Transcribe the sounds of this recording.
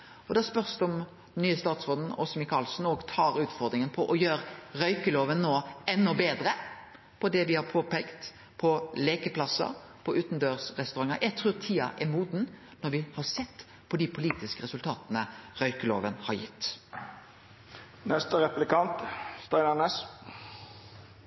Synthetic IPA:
ɔd̪ɑspœʁsd̪ɔm | d̪nyːəst̪ɑːt̪sʁoːd̪n̩ɔ̰sɔmɪkʰɑːlsn̩ɔɡt̪ʰɑːɾʉːt̪fɔɾd̪ɾɪŋənpʰɔʔɔjøːɾɾœʏkəloːʋənːoːɛnːɔbeːd̪ɾə | pʰɔd̪ɛʋɪhɑɾpʰoːpɛkt̪ | pʰɔleːkəpʰlɑsɑ̰ | pʰɔʔʉːt̪nd̪øːʁsɾɛst̪ʊɾɑŋːəɾʔæɪɡt̪ʰɾʉːɾt̪ʰiːɑ̰ʔɛmuːd̪n | nɔɾʋɪhɑɾsɛt̪ː | pʰɔd̪ɪpʰʊliːt̪ɪskəɾɛsʉlt̪ʰɑːt̪ənəɾœʏkəlo̰ːʋənhɑɾjɪt̪ː | nɛst̪əɾɛplɪkɑnt̪st̪ɑɪnɑnes

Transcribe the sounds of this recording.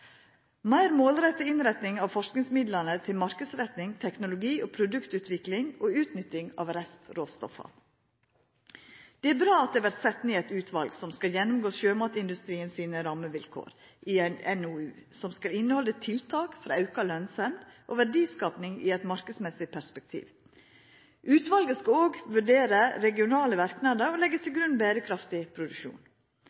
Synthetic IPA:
mæɪɾmoːlɾɛt̪ːəɪnɾɛt̪nɪŋɑʋfɔʂknɪŋsmɪd̪lənət̪ʰɪlmɑɾkəsɾɛt̪nɪŋt̪ʰɛknʊlʊɡiːʔopʰɾʊd̪ʉkt̪ʉːt̪ʰʋɪklɪŋoːʉːt̪nʏt̪ːɪŋɑ̰ːʋɾɛst̪ɾoːst̪ɔ̰fɑ̰ | d̪̥ɛæɾbɾɑːɑt̪̚d̪ɛːʋæɾt̪sɛt̪neːɛt̪ʉːt̪ʰʋɑlɡsɔmskɑljɛnːʊmɡoːsʃøːmɑt̪əɪnd̪ʉst̪ɾiːənsiːnəɾɑːməʋɪlkʰo̰ːɾ | ʔɪænɛnuːʉːsɔmskɑlɪnːəhɔlːət̪ʰɪlt̪ʰɑːkfɔɾɑʉkɑlœnsɛmd̪ʔoːʋæɖiːskɑːpnɪŋḭɛt̪mɑɾkəsmɛsɪpʰæɾspɛk̚t̪ʰḭːʋ | ʔʉːt̪ʋɑlɡəskɑloːɡʋʉɖeːɾəɾɛɡɪʊnɑːləʋæɾknɑd̪əɾɔlɛɡːət̪ʰɪlɡɾʉnːbæːɾəkʰɾɑft̪ɪpʰɾʊd̪ʉʃṵːn

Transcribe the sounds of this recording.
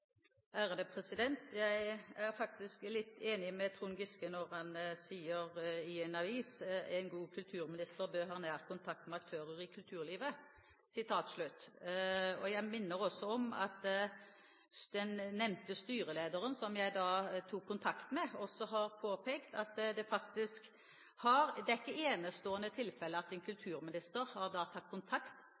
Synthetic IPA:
æːʁəd̪epʰʁɛsɪd̪ɛnt̪jæɪæɾfɑk̚t̪ɪsklɪt̪ːeːnɪmɛt̪ʰɾuːnɡɪskənɔʁhɑnsiːəʁɪɛnɑʋiːsɛnɡuːkʰʉlt̪ʰʉːɾmɪnɪst̪əʁbøːʁɦɑːnæːʁkʰʊnt̪ʰɑk̚t̪mɛɑk̚t̪ʰøːɾəɾɪkʰʉlt̪ʰʉːʁliːʋə | sɪt̪ʰɑːt̪slʉt̪ | ɔjæɪmɪnːəɾɔsːɔɔmɑt̪ | d̪̥ɛnːɛmnt̪əst̪yːɾəleːd̪əɾənsɔmjæɪd̪ɑːt̪ʰuːkʰːʊnt̪ʰɑkt̪mɛɔsɔɦɑɾpʰoːpʰeːkt̪ɑt̪d̪ɛfɑkt̪ɪsk | hɑɾd̪ɛæɪkːəeːnəst̪oːənət̪ʰɪlfɛlːəɑt̪ɛnkʰʉlt̪ʰʉːɾmɪnɪst̪əɾhɑʁd̪ɑːt̪ʰɑt̪̚ːkʰʊnt̪ʰɑkt̪

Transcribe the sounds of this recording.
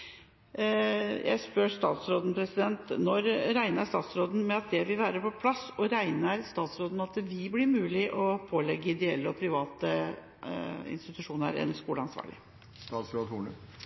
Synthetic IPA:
jæ̰ɪspœɾst̪ɑ̰ːt̪sɾoːd̪n̩pʰɾɛsɪd̪ɛnt̪nɔɾɾæɪnəʂt̪ɑ̰ːt̪sɾoːd̪n̩mɛɑt̪̚d̪ɛʋɪlʋæːɾəpʰɔpʰlɑsːɔɾæɪnəɾst̪ɑːt̪sɾoːd̪nmɛɑt̪ʋɪblɪɾmʉːlɪʔɔpʰoːlɛɡːəɪd̪ɛɛlːəɔpʰɾɪʋɑːt̪ə | ɪ̰nst̪ɪt̪ʉʂuːnə̰ɾɛ̰nskuːləɑnsʋɑ̰ːɭɪ̰ | st̪ɑːt̪sɾoːd̪huːɳə

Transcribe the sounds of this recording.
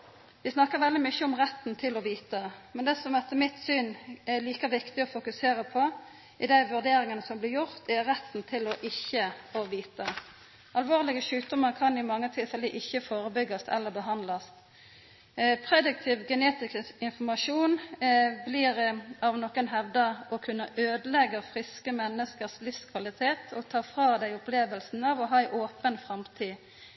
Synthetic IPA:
ʋɪsnɑkːəɾʋɛld̪ɪmʏçəɔmʁɛt̪ːn̩t̪ʰɪlɔʋiːt̪əmɛnd̪ɛsɔmʋæt̪ːəmɪt̪syːnɛliːkəʋɪkt̪ɪɔfʊkʉseːɾəpʰɔ | ʔɪd̪æɪʋʉʁd̪eːɾɪŋənəsɔmblɪɾjʊʁt̪ɛɾɛt̪ːn̩t̪ʰɪlɔʔɪçːəɔʋiːt̪ə | ɑlʋoːʁlɪɡəʃʉːt̪̚d̪ʊmɑɾkʰɑnɪmɑŋːət̪ʰɪlfɛləʔɪçːəfoːɾəbʏɡɑst̪ɛ̰lːəɾbəɦɑnlɑst̪ | pʰʁɛd̪ʉk̚t̪ʰɪʋɡɛneːt̪ɪkɪnfɔmɑʂuːnbliːʁɑʋnɔkənɦɛʋd̪ɑʔɔkʰʉnːəʔøːd̪əlɛɡəfʁɪskəmɛnːəskəʁslɪfskʰʋɑlɪt̪ʰeːt̪ʰɔt̪ʰɑːfʁɑːd̪æɪʊpleːʋəlsn̩ɑʋɔɦɑːɛɪʔoːpənfʁɑmt̪ʰiː

